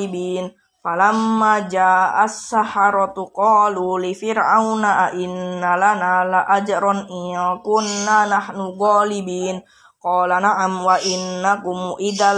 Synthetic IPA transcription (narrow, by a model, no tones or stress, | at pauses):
ibiːn | falamːad͡ʒaʔasːahaɾˤɑt̪uqɔːlulifiɾawnaʔaʔinːalanalaʔad͡ʒaɾɔniakunːanahnuɡɔlibiːn | qɔlanaʔamwaʔinːakumʔid̪a